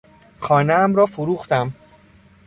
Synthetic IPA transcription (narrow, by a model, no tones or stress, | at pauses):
xɒːneæmɾɒːfoɾuːxt̪æm